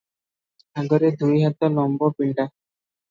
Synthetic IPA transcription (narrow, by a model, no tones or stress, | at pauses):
aɡɔɾed̪ʱuiɦat̪ɔnɔmbɔpiɳɖa